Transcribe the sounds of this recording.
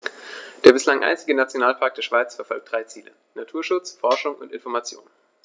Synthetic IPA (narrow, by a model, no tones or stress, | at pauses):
d̥eːɐbɪslaŋʔa̰ɪnt͡sɪɡənat͡sjonaːlpʰaɐk̚d̥eːɐʃv̥aɪt͡sfɛɐfɔlk̚d̥ʁaɪt͡siːlə̰ | natʰuːɐʃʊt͡sfɔɐʃʊŋʊ̰ntɪnfɔɐmat͡sjo̰ːn